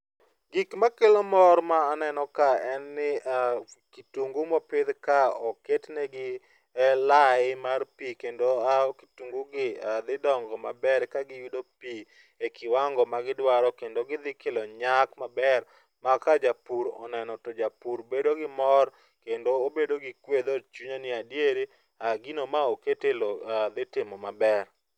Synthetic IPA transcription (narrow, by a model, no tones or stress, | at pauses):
ɡikmakelomɔɾmaːnɛnɔkaɛnːɪ | kituŋɡumɔpɪd̪kaɔketnɛɡɪ | ɛlaɪmarpikendoaki̥tuŋɡuɡɪad̪ɪdɔŋɡɔmabɛɾkaɡɪjudopi | ekʰɪwaŋɡɔmaɡɪdwaɾɔkendoɡɪd̪ɪkelɔɲakmabɛr | makad͡ʒapuɾɔ̰nɛnɔtod͡ʒapuɾbedoɡɪmɔr | kendoːbedoɡɪkwed̪ot͡ʃuɲonɪadjeɾi | aɡɪnomaoketeload̪ɪtɪmɔmabɛr